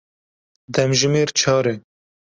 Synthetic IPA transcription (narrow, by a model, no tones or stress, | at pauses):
d̪ɛmʒɪmeːɾt͡ʃʰɑːɾɛ